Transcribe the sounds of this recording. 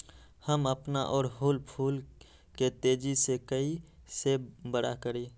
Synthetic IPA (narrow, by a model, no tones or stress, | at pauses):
həməpnaʔɔːɾɦuːlpʰuːl | ket̪eːd͡ʒisekəi | sebəɽakəɾe